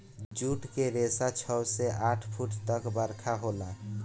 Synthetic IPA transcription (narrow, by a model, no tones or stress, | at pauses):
d͡ʒuʈkeɾesat͡ʃʰəseʔaʈʰpʰuʈt̪əkbəɾkʰaɦola